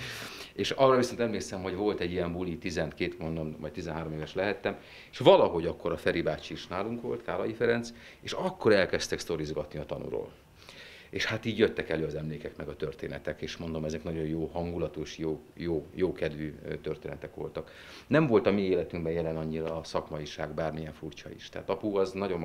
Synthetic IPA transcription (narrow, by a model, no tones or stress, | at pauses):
eːʃɒrɒviso̞nt̪ɛmleːksɛmɦo̞ɟvo̞lt̪ɛɟːiɛmbulit̪izɛnt̪keːt̪mond̪ommɒ̰j̚t̪izɛnɦaːɾo̞meːvɛʃlɛɦɛt̪ːɛm | eʃʋɒlɒɦo̞ɟɒkːo̞ɾɒfɛɾibaːt͡ʃiːʃnaːluŋkʋo̞̰lt̪kaːlɒjifɛɾɛnt̪s | eːʃɒkːo̞ɾɛlkɛst̪ɛkst̪o̞ɾizɡɒt̪niɒt̪ɒnṵɾo̰ːl | eːʃhat̪iːɟjøt̪ːɛkɛløːɒzɛmleːkɛkmɛɡɒt̪ørt̪eːnɛt̪ɛkeːʃmo̞nd̪o̞mɛzɛknɒɟo̞jjoːhɒŋɡulɒt̪oʃjoːjoːjoːkɛd̪ʋyːt̪ørt̪eːnɛt̪ɛkʋo̞̰lt̪ɒk | nɛɱvo̞lt̪ɒmieːlɛt̪yŋɡbɛnjɛlɛnɒɲːiɾɒːsɒkmɒjiʃaːɡbaːrmijɛɱfurt͡ʃɒ̰ḭʃt̪ɛɦaːt̪ɒpuɒznɒɟo̞m